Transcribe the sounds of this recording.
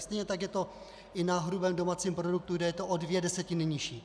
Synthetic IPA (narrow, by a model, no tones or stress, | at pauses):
st̪ɛjɲɛt̪akjɛt̪o̞ | ʔɪnaɦɾubɛmdo̞maːt͡siːmpɾo̞duk̚t̪uɡdɛjɛt̪oʔodvjɛdɛsɛcɪnɪɲɪʃiː